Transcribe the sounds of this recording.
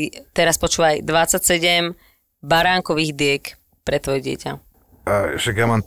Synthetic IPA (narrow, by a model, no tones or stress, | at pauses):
t̪ɛɾaspɔt͡ʃuːʋajd̪ʋat͡sːacsɛɟɛm | baɾaːŋkɔʋiːɣd̪ɪɛk | pɾɛt̪ʋɔjɛɟɪɛ̰ca̰ | ʃakjamam